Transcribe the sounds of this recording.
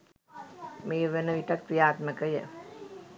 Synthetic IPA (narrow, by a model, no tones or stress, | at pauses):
meːʋənəʋiʈak̚pijaːt̪məkəjə̰